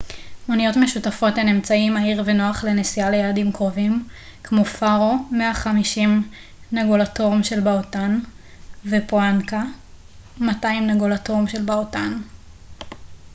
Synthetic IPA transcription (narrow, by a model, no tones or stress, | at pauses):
onijo̞tmeʃutafo̞tenemt͡saimaiʁveno̞aχle̞nesialejaːdimkʁo̞vim | kmo̞faʁo̞meaχamiʃim | naɡolatoʁmʃe̞lbaotan | vepoanka | mataimnaɡolatoʁmʃelbaotan